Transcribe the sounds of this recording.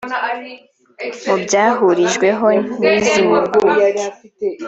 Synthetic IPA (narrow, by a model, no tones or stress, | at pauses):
mubɟaːɦuɾiʒɡwe̞ɦoɲiːziwuɡu